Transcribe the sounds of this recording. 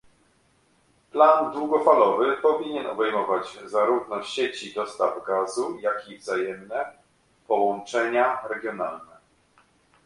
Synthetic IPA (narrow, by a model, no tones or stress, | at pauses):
pland̪wuɡɔfalɔvɘpɔvʲiɲɛnɔbɛjmɔvad͡ʑzaɾuvnɔɕet͡ɕid̪ɔst̪avɡazujakʲivzajɛmnɛ | pɔwɔnt͡ʂɛɲaɾɛɡʲjɔnalnɛ